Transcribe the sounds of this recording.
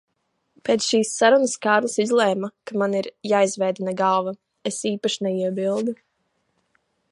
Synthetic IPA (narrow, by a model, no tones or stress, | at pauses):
peːt̪sʃiːsːaɾunəskaːɾlˠasizlˠɛjmakamaniɾjaːizvɛjd̪nɛɡalˠva | esiːpaʃinɛiɛbilˠd̪u